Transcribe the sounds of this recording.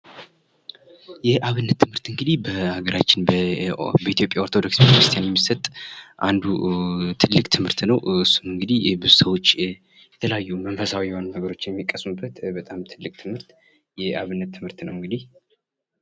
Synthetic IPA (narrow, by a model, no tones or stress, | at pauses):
jɛʔaβɨnːət̪ʰːɨmhɨɾt̪ɨŋɡɨd̪ihbəaɡəɾat͡ʃːɪnbbəit̪ijo̞pʼjao̞ɾt̪ʰo̞d̪o̞ksbet̪kɾɨst̪ʰijanjɛmːisət̪ʼʔand̪ut̪ʰɨlːɨkʼt̪ʰɨmhɨɾt̪nəwɨsːumɨŋɡɨd̪ihbɨzusəwo̞t͡ʃː | jɛt̪ʰəlajːumənfəsawijɛhonunəɡəɾo̞t͡ʃːjɛmːikʼəsmubːət̪bət̪ʼamt̪ʰɨlːɨkʼt̪ʰɨmhɨɾt̪ | jɛaβɨnːət̪ʰːɨmhɨɾt̪nəwɨŋɡɨd̪ih